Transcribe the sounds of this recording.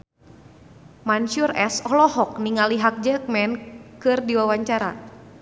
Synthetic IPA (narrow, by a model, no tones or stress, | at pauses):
manʃurɛ̰sɔhlɔɦɔk̚niŋaliɦak̚d͡ʒək̚mɛnkɨrdiwawaɲt͡ʃaɾa̰